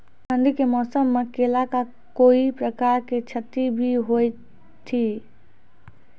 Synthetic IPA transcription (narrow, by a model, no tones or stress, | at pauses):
sə̃nd̪ʱikemɔːsəmːekeːlaka | koːipɾəkaːɾket͡ʃʰət̪ːibʱiɦoj | t̪ʰi